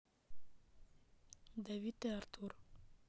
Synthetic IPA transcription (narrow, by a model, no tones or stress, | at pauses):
d̪awit̪eaɾt̪ʰuɾ